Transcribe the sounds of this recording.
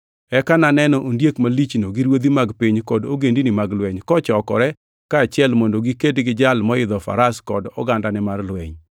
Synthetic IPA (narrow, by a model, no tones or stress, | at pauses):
ɛkananɛnɔʔondjekmalit͡ʃnoɡiɾwod̪imaɡpiɲkɔdoɡendinimaɡlwɛɲkɔt͡ʃɔkɔ̰ɾɛ | kaːt͡ʃɪɛlmondoɡikedɡɪd͡ʒalmɔɪd̪ɔfa̰ɾaskɔ̰dɔ̰ɡandanɛmarlwɛɲ